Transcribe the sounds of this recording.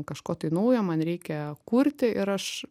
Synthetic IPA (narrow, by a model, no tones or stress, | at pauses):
kɐʃkoːt̪ɐɪnɐʊjoːmɐnɾʲɛɪkʲɛkuːɾʲt̪ʲɪʔɪɾɐʃ